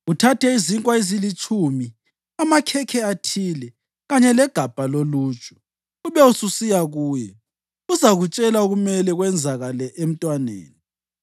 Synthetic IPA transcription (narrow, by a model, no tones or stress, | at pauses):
utʰatʰɛiziŋkʼwaezilit͡ʃʼumi | amakʰɛkʰɛatʰiːlɛ | ɣaɲɛlɛɡ̥ʱab̥ʱaloluːt͡ʃʼu̥ | uβɛususijaɣuːjɛ | uzaɣut͡ʃʼɛlaoɣumɛlɛɣwɛnd͡zʱaɣalɛʔem̩tʼwanḛːni